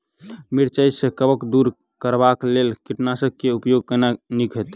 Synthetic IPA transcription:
miɾt͡ʃəjsẽkəbəkd̪uɾ | kəɾbaklelkiʈnasəkeupjoɡ̚kənanikʰɦət̪

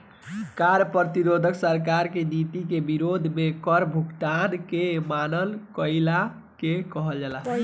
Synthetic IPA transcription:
kaɾpət̪iɾod̪ʱəksəɾkaɾkenit̪ikebiɾod̪ʱmekəɾbʱukt̪ankemanəlkəɪla | kekəɦəld͡ʒalaɦ

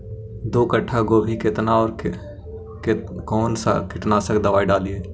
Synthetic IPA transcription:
d̪oːkəʈʰːaɡoːbʱikɪt̪naɔːɾ | kɔːnsa̰kɪʈnasəkd̪əʋaːiɖaːlieː

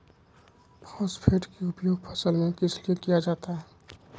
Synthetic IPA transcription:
pʰɔspʰeːʈkeʊpjoːɡ̚pʰəsəlmẽkɪslijekijad͡ʒaːt̪aɦɛ

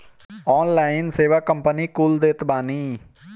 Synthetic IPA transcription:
ɔːnlaːɪnseːʋaːkəmpəniːkuːld̪eːt̪baːniː

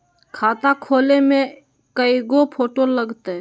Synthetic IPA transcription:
kʰaːt̪akʰoːlemẽ | kəiɡopʰoːʈoləɡt̪e

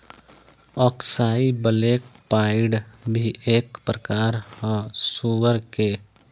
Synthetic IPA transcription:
ɔksaibəlekpaɪɖbʱieːkpɾəkaːɾhə̃suwəɾke

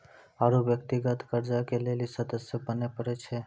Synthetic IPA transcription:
aɾubjək̚t̪iɡət̪kəɾd͡ʒakelelisəd̪əsjəbənepəɾet͡ʃʰe

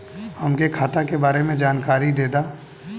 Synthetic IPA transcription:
həmkekʰaːt̪akebaːɾemẽd͡ʒaːnkaːɾid̪eːd̪aː

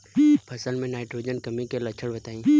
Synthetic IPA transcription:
pʰəsəlmẽnaːɪʈɾod͡ʒənkɐmĩkelɐt͡ʃʰəɽbɐt̪aːĩ

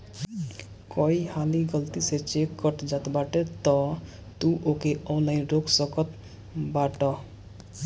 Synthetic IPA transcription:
kɔihaliɡʌlt̪iset͡ʃekːʌʈd͡ʒat̪baʈet̪ɔ | t̪uʔokeɔ̃nlainɾoɡsʌkʌt̪ | baʈɔ

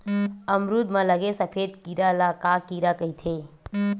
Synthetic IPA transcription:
əmɾud̪mãləɡesəpʰed̪kiɾalakakiɾakəit̪ʰe

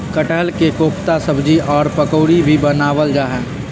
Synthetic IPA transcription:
kəʈəlkekoːpt̪asəbd͡ʒiʔɔːɾpəkoːɽibʱibənaːʋəld͡ʒaːɦɛ̃ː

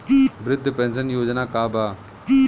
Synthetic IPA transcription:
bɾɪd̪ʱːpɛ̃ːnsənjoːd͡ʒnaːkaːbaː

